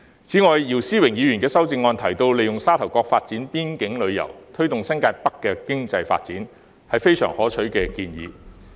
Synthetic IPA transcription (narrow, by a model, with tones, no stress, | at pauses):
t͡sʰiː˨˥ŋɔː˨˧jjiː˨˩wsiː˥wɪ˨˩ŋjiː˨˧jyː˨˩nkɛː˧sɐ˥wt͡sɪ˧ŋːɔː˧nt̪ʰɐ˨˩jt̪o˧wle˨jʊ˨ŋsaː˥t̪ʰɐ˨˩wkɔː˧k̚faː˧t̚t͡siː˨˥npiː˥nkɪ˨˥ŋlɵ˨˧ɥjɐ̰˨˩wt̪ʰɵ˥ɥt̪ʊ˨ŋsɐ˥ŋkaː˧t̚pɐ˥kːɛː˧kɪ˥ŋt͡sɐ˧jfa̰ː˧t̚t͡siː˨˥n | hɐ˨jfe˥jsœ̰ː˨˩ŋhɔː˨˥t͡sʰɵ˨˥ɥkɛː˧kiː˧njḭː˨˧